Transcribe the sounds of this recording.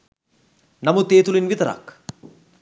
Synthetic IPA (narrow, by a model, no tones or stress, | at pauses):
nɐmut̪eːt̪ulinʋit̪ɐɾa̰k